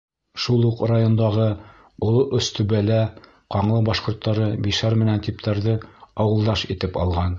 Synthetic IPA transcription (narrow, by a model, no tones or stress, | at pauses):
ʃulˠuqrajond̪ɑʁɤ | ŏlˠoʔɵ̆st̪ʉβælæ | qɑɴlˠɤbɑʃqŏɾt̪ːɑɾɤbiʃæɾmɘ̆nænt̪ipt̪ʰæɾðɤɑwɤ̆lˠd̪ɑʃit̪ɘpɑ̰lˠʁɑn